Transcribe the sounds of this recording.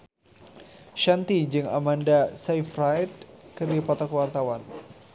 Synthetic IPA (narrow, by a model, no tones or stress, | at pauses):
ʃant̪id͡ʒɨŋa̰mandasajfrajt̪̚kɨrdipat̪akəwart̪awan